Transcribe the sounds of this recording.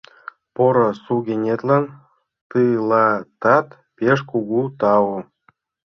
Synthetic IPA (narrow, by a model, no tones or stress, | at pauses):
poɾɤ̆suɡʲenʲet̪lɑn | t̪ɯlˠɑt̪ɑt̪ | pʲeʃkuɡut̪ɑwu